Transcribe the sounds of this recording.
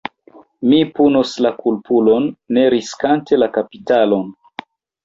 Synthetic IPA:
mipunoslakulpulo̞nːe̞ɾiskante̞lakapitalo̞n

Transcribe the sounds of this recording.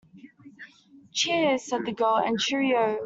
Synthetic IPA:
t͡ʃʰi̥sɛd̪̚ðəɡɜːlˠə̰̃nt͡ʃʰɪɹiəʊ

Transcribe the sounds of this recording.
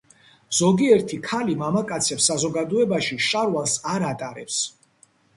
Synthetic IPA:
z̥ɔɡiɛɾt̪ʰikʰalimamakʼat̪sʰɛpsːazɔɡad̪ɔɛbaʃiʃʼaɾwalˠsaɾat̪ʼaɾɛps

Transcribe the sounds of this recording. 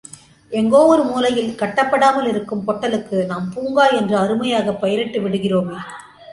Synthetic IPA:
ʔɛŋɡoːʋɐɾɯmuːlɐjɪlkɐʈːɐpːɐɽaːmɐlɪɾɯkːɯmpɔʈːɐlɯkːɯnaːmpuːŋɡaːlɛndrɯɐɾɯmɐjaːɣɐpːɐjɐɾɛʈːɯʋɪɽɯɣɪroːmː

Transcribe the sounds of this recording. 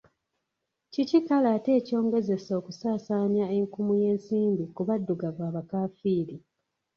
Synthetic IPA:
cicikalaːte̞ːco̞ːŋɡe̞ze̞so̞ːkusaːsaːɲjaeŋkumuje̞ːnsiːmbikuβadːuɡavwaːβakaːfiːɾi

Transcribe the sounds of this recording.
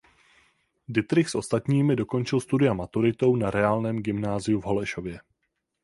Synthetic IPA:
dɪt̪ɾɪxsʔo̞st̪at̪ɲiːmɪdo̞ko̞nt͡ʃɪlst̪udɪamat̪uɾɪt̪o̞wnaɾɛaːlnɛːmɡɪmnaːzɪuvɦo̞lɛʃo̞vjɛ

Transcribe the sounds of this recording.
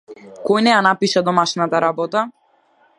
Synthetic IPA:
kɔjnɛjanapiʃad̪ɔmaʃnat̪aɾabɔt̪a

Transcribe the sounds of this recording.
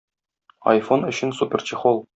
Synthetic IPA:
ɐ̰jfonɵ̆ɕɘ̆nsupʲert͡ɕiχolˠ

